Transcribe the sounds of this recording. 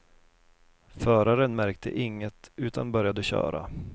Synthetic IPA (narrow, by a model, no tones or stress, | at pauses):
fœːɾaɾənmæɾk̚t̪ʰə̰ʔɪŋːət̪ʉ̟ːt̪ʰanbœɾjad̪əɕœ̰ːɾa̰